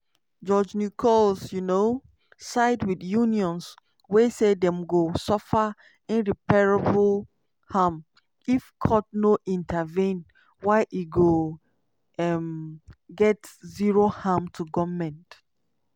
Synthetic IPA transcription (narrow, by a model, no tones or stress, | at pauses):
d͡ʒɔd͡ʒnukʰɔlsjuno | saɪdwidjuniɔ̃ns | wesedɛ̃mɡosɔfa | ĩnɹipɛɹabl | ham | ifkʰɔt̚noʔĩntʰəvĩn | waɪʔiɡo | ɛmɡɛtziɹohamtʰuɡɔmɛ̃nt